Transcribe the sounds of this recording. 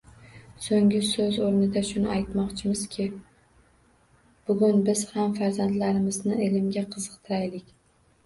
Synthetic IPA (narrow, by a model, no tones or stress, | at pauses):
soŋɡʲɪsɵzoɾnɪd̪aʃʊnɪajt̪mɒqt͡ʃʰɪmɪz̥kʲʰɪ | b̥ʊɡʊnbɪz̥hamfaɾzant̪laɾɪmɪznɪelɪmɡʲaqʰɨzɨqt̪ʰɪɾajlɪkʲ